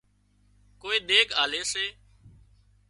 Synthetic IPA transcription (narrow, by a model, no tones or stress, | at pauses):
koːiːɗ̪eːkaːleːseː